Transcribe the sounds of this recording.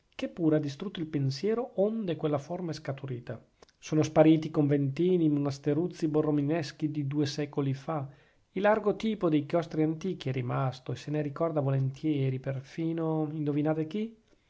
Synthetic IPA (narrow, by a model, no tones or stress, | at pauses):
k̟epːuːɾead̪ːist̪ɾut̪ːoilpensjɛːɾoond̪ekwelːaformaɛskat̪uɾiːt̪a | soːnospaɾiːt̪ikoɱvent̪iːnimonast̪eɾut̪sːiborːominɛsk̟id̪id̪uːesɛkolifa | ilːarɡot̪iːpod̪ejkjɔst̪ɾiant̪iːk̟iɛrimast̪oeseneɾikɔrd̪avolent̪ʰjɛːɾiperfiːnoind̪ovinaːt̪ek̟i